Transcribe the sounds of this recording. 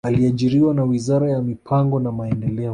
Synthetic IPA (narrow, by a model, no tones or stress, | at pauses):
aliaʄiɾiwanawizaɾajamipʰaŋɡɔnamaɛndɛlɛɔ